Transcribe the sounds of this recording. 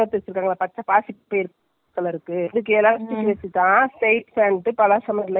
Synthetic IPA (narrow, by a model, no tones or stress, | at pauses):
ɐt̪ːɯʋɐt͡ʃːɪɾɯkːaːŋɡɐɭɐpɐtːɐpaːsɪpːeːɾ | kːɐɭɪɾɯkːɯɪðɯk̬ːɯɛlːaːsʈːɪkːɯʋɛt͡ʃːɯt̪ːãːsʈeɪʈsɛɳʈɯpɐlasɐmlɐ